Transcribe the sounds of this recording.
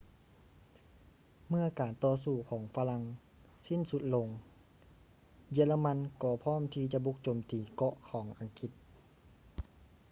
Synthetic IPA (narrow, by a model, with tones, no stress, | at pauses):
mɯ˧˥˩əkaː˨˩nt̪ɔː˧s̬uː˧˩kʰɔː˨˩˦ŋfa˧la˧˥ŋ | si˧˥˨nsu˧˦t̪̚lo˧ŋ | ji˧la˧ma˧˥nkɔː˧˩pʰɔː˥˨mt̪ʰiː˧t͡ɕa˧ʔbu˧˥k̚t͡ɕoː˨˩mt̪iː˨˩kɔ˧ʔkʰɔː˨˦ŋʔa˨˩ŋki˧˥t̪̚